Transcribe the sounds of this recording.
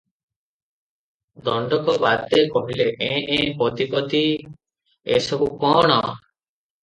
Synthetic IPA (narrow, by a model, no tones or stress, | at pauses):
d̪ɔɳɖɔkɔbat̪ekɔɦileʔẽʔẽpɔt̪ipɔt̪i | ḛsɔbukɔɽ̃ɔ